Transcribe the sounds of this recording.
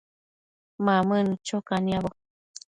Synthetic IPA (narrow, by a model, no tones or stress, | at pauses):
mamɨnt͡ʃokaniaβo